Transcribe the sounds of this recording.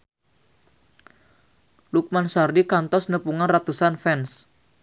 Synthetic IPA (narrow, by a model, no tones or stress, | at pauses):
luk̚mansardikant̪ɔsnəpuŋanrat̪usanfɛns